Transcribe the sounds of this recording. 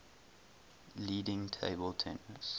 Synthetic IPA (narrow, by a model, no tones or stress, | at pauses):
liːdɪ̃ŋtʰeɪbəlˠtʰɛ̃nəs